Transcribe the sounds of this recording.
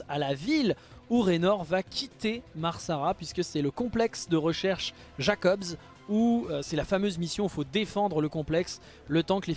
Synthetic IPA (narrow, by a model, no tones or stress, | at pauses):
alaviluʁenɔʁvakʲit̪emaʁsaʁapɥiskəsɛləkɔ̃plɛksd̪əʁəʃɛʁʃ | ʒakɔbz | uøsɛlafamøzmisjɔ̃ifod̪efɑ̃d̪ʁələkɔ̃plɛks | lət̪ɑ̃kəle